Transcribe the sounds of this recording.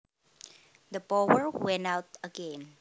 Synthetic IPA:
d̪əpowəɹwɛ̃nawt̪ɐɡɛ̃n

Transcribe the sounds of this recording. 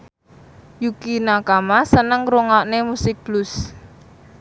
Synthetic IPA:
jukinakamasənəŋɾoŋaʔnemusɪk̚b̥lʊs

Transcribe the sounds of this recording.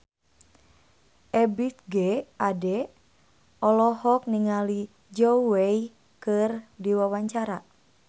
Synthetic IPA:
ʔɛbit̪̚ɡɛadɛ | ɔlɔɦɔk̚niŋali | d͡ʒɔwei | kɨrdiwawaɲt͡ʃaɾa

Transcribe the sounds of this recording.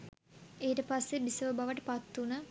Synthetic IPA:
eːʈəpasːebisəʋəbaʋəʈəpat̪ːunə

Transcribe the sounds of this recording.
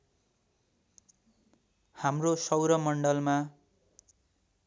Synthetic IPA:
hamrosʌwɾʌmʌɳɖʌlma

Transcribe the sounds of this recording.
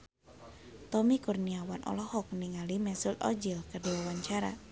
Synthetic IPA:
t̪ɔmikurniawanʔɔ̰lɔhɔk̚niŋalimɛsulɔ̰d͡ʒilkərdiwawaɲt͡ʃaɾa̰

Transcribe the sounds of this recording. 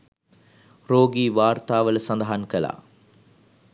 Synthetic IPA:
roːɡiːʋaːrt̪aːʋələsɐnd̪ɐɦankəla̰ː

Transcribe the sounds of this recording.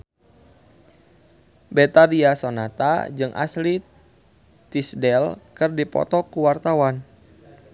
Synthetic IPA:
bɛt̪aɾiasonat̪a̰d͡ʒɨŋʔa̰sli | t̪isdɛlkɨrdipɔ̰t̪ɔkuwart̪awan

